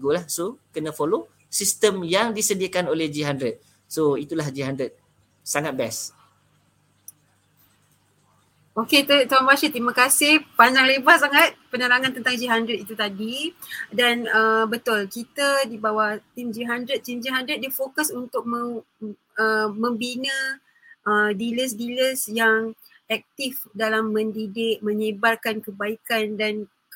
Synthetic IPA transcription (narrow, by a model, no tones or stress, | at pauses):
ɡolahsokənə̃folo | sist̪əmjaŋdisədiəkanolɛhd͡ʒiɦandɾət̪̚ | soit̪ulahd͡ʒiɦandɾət̪̚ | saŋat̪̚bɛs | oket̪ut̪oanbaʃit̪ɾimãkasɪhpaɲd͡ʒaŋlebahsaŋat̪̚pənəɾaŋãnt̪ənt̪aŋd͡ʒiɦandɾət̪it̪ut̪adidanəbət̪ʊlkit̪adibawaht̪imd͡ʒiɦandɾət̪̚ːimd͡ʒiɦandɾət̪̚difokəsunt̪ʊk̚mə | əmə̃mbinə̃ | ʔədiləs̬diləsjaŋ | ɛk̚t̪ifdalamːə̃ndidɪʔ̚mə̃ɲibalkankəbaikandan